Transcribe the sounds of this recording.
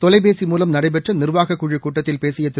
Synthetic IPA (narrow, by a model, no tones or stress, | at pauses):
t̪ɔlɐɪpeːsimuːlɐmnɐɽɐɪpɛʈrɐnɪrʋaːɣɐkːuːɻikuːʈːɐt̪ːɪlpeːsɪjɐt̪ːɪ